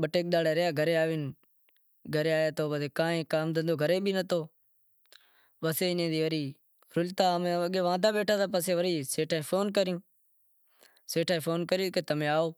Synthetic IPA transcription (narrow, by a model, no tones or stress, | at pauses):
ɓəʈeːk̚ɗ̪aːɽeːɾəjaːɡʱəɾeːaːʋɪn | ɡʱəɾeːaːjaːt̪ʰoːɓəseːkãːẽːkaːmd̪ʱə̃nd̪oːɡʱəɾeːɓʱiːnət̪oː | ʋəseːɪnẽːd̪iːʋəɾiː | ɾʊlt̪aːmẽːəɠeːʋãːd̪ʱaːɓeːʈʰaːsaːpəseːʋəɾiːseːʈʰaːĩːpʰoːnkəɾɪjũː | seːʈʰaːĩːfʰoːnkəɾɪjõːkeːt̪əmẽːaːoː